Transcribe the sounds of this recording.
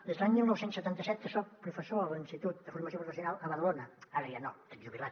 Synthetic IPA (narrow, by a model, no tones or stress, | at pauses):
d̪ezðlaɲmilˠnɔwsensət̪ant̪əsɛt̪ːəsɔpɾufəsoəlinsit̪ut̪̚d̪əfuɾməsjopɾufəsjunalˠəβəðəlonəaɾəjano̰əʒuβilˠat̪